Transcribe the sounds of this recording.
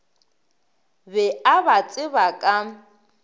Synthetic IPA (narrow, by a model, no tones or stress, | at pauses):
bɛabat͡sʼɪβakʼa